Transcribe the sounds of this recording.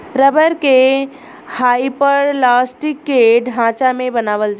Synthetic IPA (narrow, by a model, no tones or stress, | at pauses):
ɾəbəɾke | haipəɾlaːsʈikːeɖʱɦãːt͡ʃamẽbənaːʋəld͡ʒ